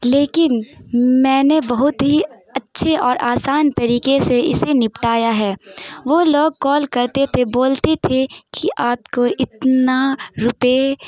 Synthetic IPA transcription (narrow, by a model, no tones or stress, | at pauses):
leːkɪnmɛ̃ːnebɐɦʊt̪ɦi | ɐtːʃʰeɔːɾʔaːsaːnt̪ɐɾiːkeseɪsenɪpʈaːjaɦɛːʋoːloːɡ̚kɔːlkɐɾt̪et̪ʰeboːlt̪et̪ʰekiʔaːp̚koʔɪt̪naɾʊpe